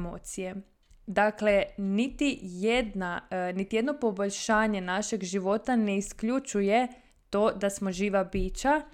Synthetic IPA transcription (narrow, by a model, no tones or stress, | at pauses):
mo̰ːt̪sije | d̪aklenit̪ijed̪nanit̪ije̞d̪no̞po̞boʎʃaːɲe̞naʃe̞ɡʒiʋo̞t̪ane̞iskʎut͡ʃuje̞ | t̪o̞ːd̪asmo̞ʒiːʋabiːt͡ʃa